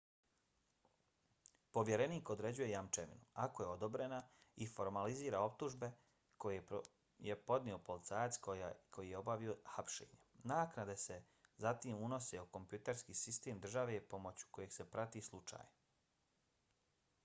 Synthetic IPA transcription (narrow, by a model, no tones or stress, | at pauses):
po̞ʋje̞ɾe̞niːko̞d̪ɾe̞d͡ʑuje̞jamt͡ʃeʋḭnuako̞je̞o̞d̪o̞bɾe̞naifo̞ɾmaliziːɾao̞p̚t̪uʒbe̞ | koje | jepo̞d̪nio̞po̞lit̪saːjat̪skʰo̞jijeo̞baʋio̞xapʃḛːɲenaːknad̪e̞se̞ | zat̪iːmuno̞seuko̞mpjut̪eɾskiːsist̪eːmd̪r̩ʒaʋe̞po̞mo̞t͡ɕu̥ko̞jeɡ̥se̞pɾat̪islˠut͡ʃa̰ːj